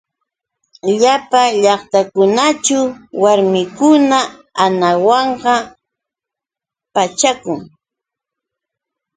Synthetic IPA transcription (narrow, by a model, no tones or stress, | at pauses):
ʎapaʎɑχt̪akʊnat͡ʃʊwwaɾmɪkʊnaanawɑɴɢɑ | pat͡ʃakʊŋ